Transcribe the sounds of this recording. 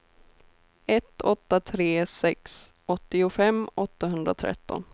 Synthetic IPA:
ɛt̪ʰːɔt̪ːat̪ʰɾeːsɛks | ʔɔt̪ːɪʊfɛmːɔt̪ːaɦɵnd̪ɾa̰t̪ʰɾɛ̰t̪ːɔ̰n

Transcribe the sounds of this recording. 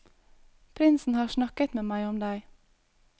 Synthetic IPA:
pʰɾɪnsn̩hɑːʃnɑkət̪meːmæɪɔmd̪æɪ

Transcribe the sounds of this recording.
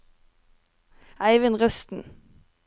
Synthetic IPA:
ʔæɪʋɪnʁœst̪n̩

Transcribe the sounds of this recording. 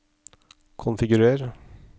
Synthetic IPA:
kʰʊnfɪɡʉɾeːɾ

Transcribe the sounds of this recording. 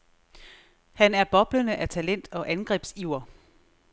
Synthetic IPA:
hænæɐb̥ɒ̽b̥lənəʔæt͡sʰælen̰d̥ɒ̽ʔænɡ̥ʁɛ̰ːb̥siʊɐ

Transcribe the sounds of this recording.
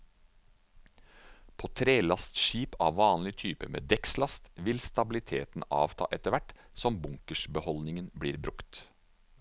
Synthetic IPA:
pʰoːt̪ʰɾeːlɑst̪ʃiːpɑːʋʋɑːnlɪt̪ʰyːpəmḛːd̪ɛkslɑst̪ʋɪlst̪ɑbɪlɪt̪ʰḛːt̪n̩ɑ̰ːʋt̪ʰɑ̰ːʔɛt̪əʋæʈsɔmbʊŋkəʃbəhɔlnɪŋənbɽiːɾbɾʉkt̪

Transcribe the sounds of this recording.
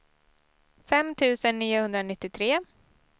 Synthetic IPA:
fɛmːt̪ʰʉ̟ːsənːiːʊhɵnd̪ɾanɪt̪ːɪt̪ʰɾeː

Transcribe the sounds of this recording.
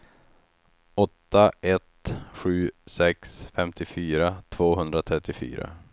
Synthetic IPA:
ɔt̪ːaʔɛt̪ɧʉ̟ːsɛksfɛmt̪ɪfyːɾat̪ʰv̥oːɦɵnd̪ɾat̪ʰɾɛt̪ːɪfy̰ːɾa̰

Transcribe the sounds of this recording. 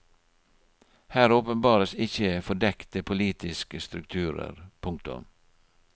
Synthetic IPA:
hæːɾoːpənbɑːɾəsɪçəfɔɖɛkt̪əpʰʊliːt̪ɪskəst̪ɾʉkt̪ʰʉːɾə̰ɾpʰʊŋk̚t̪ʊ̰m

